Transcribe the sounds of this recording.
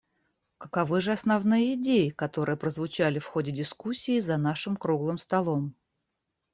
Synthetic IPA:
kəkɐvɨʐɨɐsnɐvnɨjəɪdʲejɪkɐt̪o̞ɾɨjəpɾəzvʊt͡ɕalʲɪfxo̞dʲɪdʲɪskusʲːiːzɐn̪aʂɨmkɾuɡlˠɨmst̪ɐlˠo̞m

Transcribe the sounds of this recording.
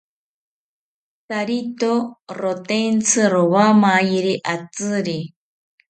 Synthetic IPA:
saɾit̪oɾot̪ent͡sʰɨɾoβamajiɾiʔat͡sɨɾi

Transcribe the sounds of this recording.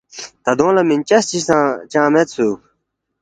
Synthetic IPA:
t̪ad̪oŋlamint͡ɕast͡ɕisat͡ɕãmɛt̪̚sʰok̚

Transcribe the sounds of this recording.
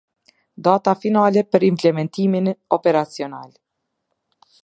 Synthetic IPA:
d̪at̪afinalɛpəɾimplɛmɛnt̪iminɔpɛɾat͡siɔna̰l

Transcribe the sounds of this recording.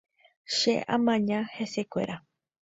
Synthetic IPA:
ʃḛãmãɲãhesekʷe̞̰ɾʔa

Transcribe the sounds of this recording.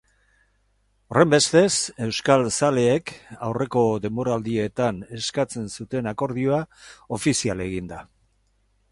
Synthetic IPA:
ore̞mbe̞st̪e̞se̞wskalsale̞ːkawre̞ko̞ðe̞mbo̞ɾald̪ie̞t̪ane̞skat͡se̞nsut̪e̞nako̞ɾð̞io̞ao̞fisiale̞ɣ̞ind̪a

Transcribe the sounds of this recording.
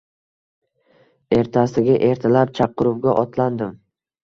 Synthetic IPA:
e̞ɾt̪ʰasɪɡʲaʔe̞ɾt̪ʰalap̚t͡ʃʰaqːɨɾʊp̚ɡʲaʔɒt̪ʰland̪ɪm

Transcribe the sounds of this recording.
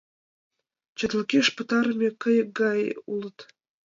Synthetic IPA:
t͡ɕə̆t̪ləkeʃpə̆t̪ɑɾəmʲekə̆jək̚ɡɑjulət̪

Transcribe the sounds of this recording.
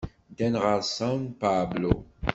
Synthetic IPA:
d̪ɛnʁasawnpaːblo̰

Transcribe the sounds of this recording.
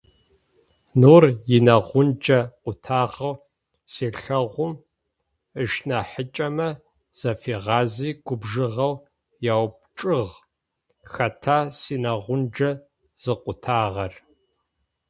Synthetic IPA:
nuːrjɪnɐʁʷʊnd͡ʒɐqʷʊtʰaːʁɐw | seːɬɐʁʷʊm | əʃnaħət͡ʃʼɐmɐ | z̥ɐfeːʁɑːziːɡʷʊbʒɨʁɐw | jaːwp̚t͡ʃʼɨʁ | xɐtʰaːsiːnɐʁʷʊnd͡ʒɐ | z̥ɨqʷʊtʰaːʁɐr

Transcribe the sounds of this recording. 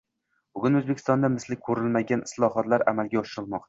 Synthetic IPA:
bʊɡʲʊnɵzbekʰʲɪ̥st̪ɒnd̪amɪslɪk̚ʲkʰɵɾɪlmaɡʲanɪslˠɒɦɒt̪laɾa̰malɡʲaɒʃɪɾɪlˠmɒq̚t̪a

